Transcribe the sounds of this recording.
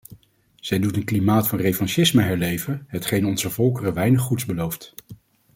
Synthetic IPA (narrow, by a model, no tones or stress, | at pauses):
z̥ɛjdutənklimaːtfɑnrefɑnʃɪsməɦɛɹlejvənɦətχejnɔnzəvɔlˠkərəʋɛjnəχːutzbəlowft